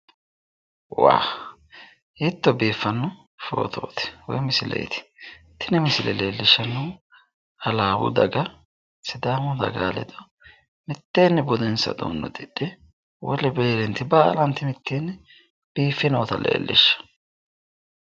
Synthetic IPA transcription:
wa̰ː | jɪt̪ːɔbiːfːɐnːʊ | fo̰ːt̪ʰo̰ːt̪ɪ̥wɔ̰jmɪsɪlɛ̰j̰t̪ɪ̥ | t̪ʰɪnɛmɪsɪlɛleːlːɪʃːɐnːuː | ɐlaːwʊ̰d̪ɐɡɐ | sɪd̪aːmʊd̪ɐ̰ɡa̰ːlɛ̰d̪ɔ | mɪt̪ːeːnːɛbʊd̪ɛnsɐ̰d̪o̰ːnːɔ̰d̪ɪɗɪ | wɔlɛbeːlɛnt̪ɪbaːlɐnt̪ːɪmɪt̪ːeːnːɛ | b̥iːfːɪnɐːt̪ɐlḛːlːɪ̰ʃːɐ̥

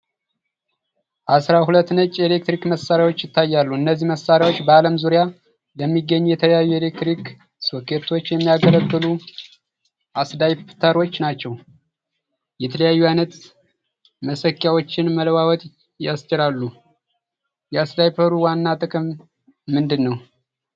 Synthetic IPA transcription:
ʔasɾahulət̪ːnət͡ʃʼːelek̚t̪ɾikməsːaɾjawo̞t͡ʃːjɪt̪ːajːalːuɨnːəzːihməsːaɾjawot͡ʃːbəaləmzuɾja | ləmːiɡːəɲːujɛt̪ʰələjajːue̞lek̚t̪ɾik | so̞kʰe̞t̪ʰo̞t͡ʃːjɛmːijaɡələɡːɨlu | ʔasd̪ajpt̪ʰəɾo̞t͡ʃːnat͡ʃːɛw | jɛt̪ʰələjajːujajnət̪ | məsəkːjawo̞t͡ʃːɪnmələwawɔt̪ʼ | jast͡ʃʼɪɾalːu | jɛasd̪ajpʰəɾuwanːat̪ʼɨkʼɨmː | ɨnd̪ɨnːəw

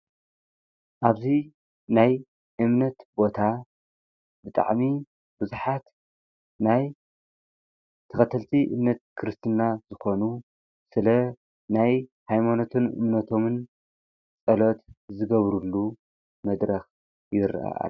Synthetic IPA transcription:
ʔaβzi | naj | ʔɨmnɐt̪bo̞t̪ʰa | bɨt̪ʼa̰ʕmi | b̥ɨzuħat̪ | naj | t̪ʰɐxɐt̪ʰɐlt̪ʰiʔɨ̰mnɐt̪̚kʰɨɾɨst̪ʰɨnːazɨxo̞nu | sɨlɐ | najhajmanot̪ʰɨnʔɨ̰mnɐt̪ʰo̞mɨn | t͡sʼɐlo̞t̪zɨɡɐβɾulːu | mɐd̪ɾɐx | jɪɾ̰ʔa̰ʔa̰

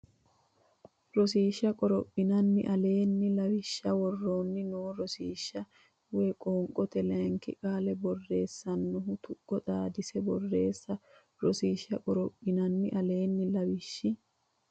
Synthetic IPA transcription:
ɾɔsiːʃːɐkʼɔɾɔpʼːɪnɐnːɪ̰ʔɐle̞ːnːɪlɐwɪʃːɐwɔrːoːnːɪnoːɾɔsiːʃːɐ | wɛkʼoːŋkʼːɔt̪ɛlɛŋkɪ̰kʼaːlɛbɔrːe̞ːsːɐnːʊɦʊt̪ʊkʼːɔt̪ʼaːd̪ɪsɛbɔrːe̞ːsːɐ | ɾɔsiːʃːɐkʼɔɾɔpʼːɪnɐnːɪ̰ʔɐle̞ːnːɪlɐwɪʃːɪ

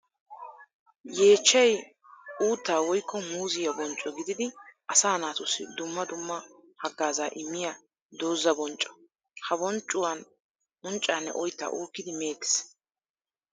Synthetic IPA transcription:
je̞ːt͡ʃːɛj | uːt̪ːaːwɔjkːɔmuːzɪjɐbɔnt͡ʃʼːɔɡɪd̪ɪd̪ɪʔɐsaːnaːt̪ʊsɪ̰d̪ʊmːɐd̪ʊmːɐhɐɡːaːzaːʔɪmːɪja | d̪o̞ːzːɐbɔnt͡ʃʼːɔ̥ | hɐbɔnt͡ʃʼːʊwɐn | bɔnt͡ʃʼːaːnːɛ̰ʔɔjt̪ːa̰ʔuːkːɪd̪ɪme̞ːt̪ːɪ̥s

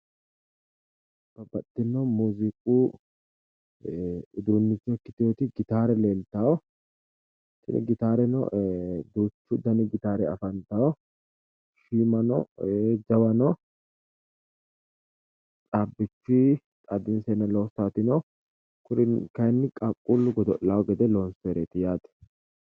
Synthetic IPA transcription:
b̥ɐbɐt̪ːɪnɔmuːzɪkʼuː | ɪd̪uːnːɪt͡ʃːɔkːɪt̪ɪot̪ɪɡɪt̪aːɾɛleːlt̪aːwɔ | sɪ̰nɪ̰ɡɪt̪aːɾɛnɔ̰ʔd̪ut͡ʃːʊd̪ɐnɪɡɪt̪aːɾɛɐ̰fɐnt̪aːwɔ | ʃiːmɐnɔd͡ʒɐwɐnɔ | t͡sʼabːɪt͡ʃːi | t̪ʼɐd̪ɪnsɛnɐloːstat̪ɪnɔ | kʊɾɪnkɐjnːɪkʼɐkʼːulːʊɡɔd̪ɔlːaːwɔɡɛd̪ɛlɔnseːɾet̪ɪjaːt̪ɛ̥

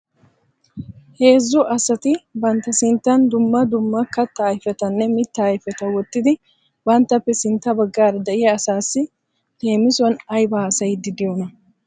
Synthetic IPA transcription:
he̞ːzːʊʔɐsɐt̪ɪbɐnt̪ːɐsɪnt̪ːɐnd̪ʊmːɐd̪ʊmːɐkɐt̪ːɐːjfɛt̪ɐnːɛmɪt̪ːɐːjfɛt̪ɐwɔt̪ːɪd̪ɪ | bɐnt̪ːɐpːɛsɪnt̪ːɐbɐɡːaːɾɐd̪ɐʔɪjɐːsaːsːɪ | leːmɪsɔnɐjbɐːsɐjd̪ɪd̪ɪjonɐ

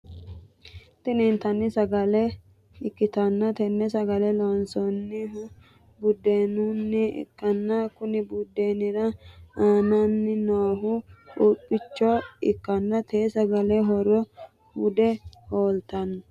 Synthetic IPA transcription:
t̪ɪnint̪ɐnːɪsɐɡɐlɛ | ɪkːɪt̪ɐnːɐt̪ɛnːɛsɐɡɐlɛlɔnsɔnːɪɦ | bʊd̪ːeːnunːɪɪ̰kːɐnːɐkʊnɪbʊd̪ːeːnɪɾɐaːnɐnːɪnoːɦʊᶑuːpʼːɪt͡ʃːɔɪkːɐnːɐt̪ʰeːsɐɡɐlɛɦɔɾɔ | ʊd̪ɛhoːlt̪ɐnːɐ

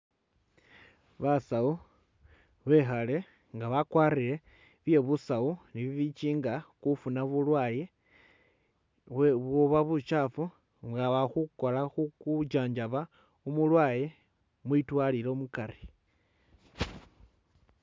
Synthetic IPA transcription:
βasau | βe̞xale̞ | ŋɡaβakwaːriɾe̞ | βje̞βusauniβiβit͡ʃiːŋɡakufunaβulwaje | βoβaβut͡ʃafu | ŋɡaβaxuko̞laxukud͡ʒaːɲd͡ʒaβa | umulwaːje̞ | mwitwaːliɾo̞mukari̥

